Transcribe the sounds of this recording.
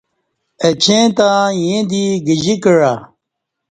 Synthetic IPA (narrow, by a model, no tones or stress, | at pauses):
ɐt͡ɕẽːt̪ãːjẽd̪iɡəʑikəɻa